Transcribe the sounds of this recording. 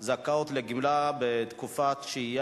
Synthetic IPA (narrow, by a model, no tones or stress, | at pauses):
zakaot̪leɡimlabet̪kufat̪ʃeij